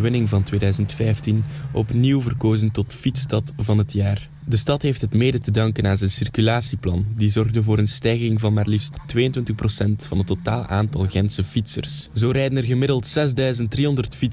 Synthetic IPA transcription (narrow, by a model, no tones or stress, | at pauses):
ʋɪnɪŋvɑntweːdœːɥzəntfɛjftinɔ̰pniwvərkoːzəntɔtfitstɑtvɑnɦətʰjaːr | dəstɑtɦeːftɦətmeːdətədɑŋkənaːnzɛnsɪrkylaːsiplɑ̰ndizɔrɣdəvoːɾənstɛjɣɪŋvɑnmaːrlifstːʋeːjəntwɪntəxprosɛntfɑnɦətːotaːlˠa̰ːntɑlˠɣɛnsəfitsə̰rszoːɾɛjdənərɣəmɪdəlˠtsɛzdœːɥzənt̚driːɦɔndərtfi